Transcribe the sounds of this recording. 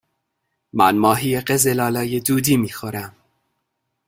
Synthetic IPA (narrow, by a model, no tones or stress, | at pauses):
mæ̰nmɒːɦiːjeɢezelɒːlɒːjed̪uːd̪iːmiːxoɾæm